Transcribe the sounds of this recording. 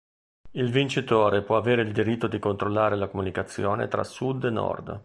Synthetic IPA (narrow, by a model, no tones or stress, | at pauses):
ilvint͡ʃit̪oːɾepwɔaveːɾeild̪iɾit̪ːod̪ikont̪ɾolːaːɾelakomunikat̪sːjoːnḛt̪ɾʔa̰sːud̪enːɔ̰rd̪